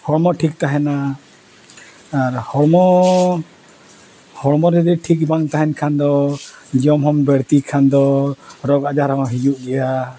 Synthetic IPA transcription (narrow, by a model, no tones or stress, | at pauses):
hɔɽmɔʈʰik̚t̪aɦɛna | aɾhɔɽmɔ | hɔɽmɔɾɛd̪ɛʈʰik̚baŋt̪aɦɛnkʰand̪ɔd͡ʒiɔmɦɔmbɛɽt̪ikʰand̪ɔɾɔɡad͡ʒaɾaɦɔɦid͡ʒuʔɡɛja